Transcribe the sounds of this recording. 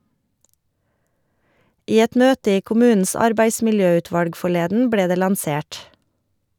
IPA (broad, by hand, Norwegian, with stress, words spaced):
ˈiː ˈɛt ˈmøːtə ˈiː kʊˈmʉːn̩s ˈɑɾbæɪsmɪlˌjøːˌʉːtʋɑlɡ fɔˈɭeːdn̩ ˈbleː ˈdeː lɑnˈseːʈ